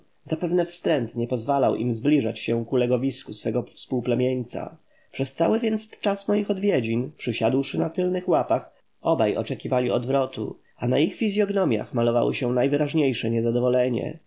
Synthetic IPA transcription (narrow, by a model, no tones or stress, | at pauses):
zapɛvnɛfst̪ɾɛnt̪ɲɛpɔzvala̰wʔḭmzblʲiʐat͡ɕɕɛkulɛɡɔvʲiskusfɛɡɔfspuwplɛmʲjeɲʲt̪sa̰ | pʂɛst̪sawɘvʲjɛnt̪st͡ʂasmɔjixɔd̪vʲjed͡ʑinpʂɘɕad̪wʂɘnat̪ɘlnɘxwapax | ɔbajɔ̰t͡ʂɛkʲivalʲiɔd̪vɾɔt̪ṵ | anaixfʲizʲjɔɡnɔmʲja̰xmalɔva̰wɔ̰ɕɛnajvɘɾaʐɲejʂɛɲɛzad̪ɔvɔlɛɲɛ̰